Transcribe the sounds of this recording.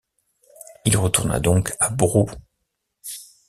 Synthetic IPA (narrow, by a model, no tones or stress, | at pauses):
ilʁət̪uʁna̰d̪ɔ̃kabʁu